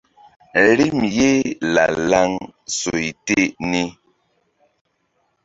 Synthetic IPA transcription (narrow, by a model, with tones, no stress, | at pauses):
ɾi˦mje˦la̰˨la˦ŋso˨i˨te˦˨ʔni˦